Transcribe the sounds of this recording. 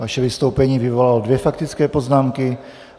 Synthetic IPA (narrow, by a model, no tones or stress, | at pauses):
vaʃɛvɪst̪owpɛɲiːvɪvolalodvjɛfakt̪ɪt͡skɛːpo̞znaːmkɪ